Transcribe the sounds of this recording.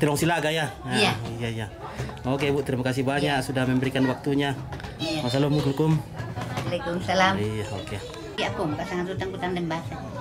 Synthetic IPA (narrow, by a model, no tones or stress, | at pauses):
t̪əlɔŋsilaɡajaajaijaijaok̬ebuʔt̪əɾimakas̬ihbaɲaʔsudahməmbəɾikanwak̚t̪uɲa | asalomudulkumalekumsalamijaokea | iaʔkumkasaŋat̪ut̪aŋkut̪aŋdɛmbaasa